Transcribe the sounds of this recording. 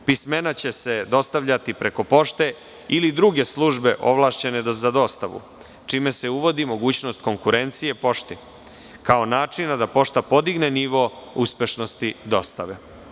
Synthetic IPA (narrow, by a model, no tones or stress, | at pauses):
pisme̞nat͡ɕe̞se̞d̪o̞st̪aʋʎat̪ipɾe̞ko̞po̞ʂt̪e̞ | ilid̪ɾuɡe̞slˠuʒbe̞ʔo̞ʋlˠaːʃt͡ɕe̞ne̞d̪ozad̪o̞ːst̪aʋṵ | t͡ʂime̞se̞uʋo̞d̪imo̞ɡuːt͡ɕno̞st̪̚ko̞ŋkuɾe̞nt̪sije̞po̞ʂt̪i | kao̞naːt͡ʂinad̪apo̞ʂt̪apo̞d̪iɡne̞niʋouspʲje̞ʃno̞st̪id̪o̞st̪aʋe